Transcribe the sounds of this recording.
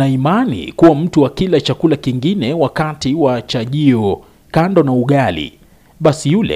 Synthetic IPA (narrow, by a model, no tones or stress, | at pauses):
aimanḭkuwam̩tuwakilat͡ʃakulakiŋɡinɛwakatiwat͡ʃaʄiɔ | kandɔnauɠalḭ | ɓasijulɛ̰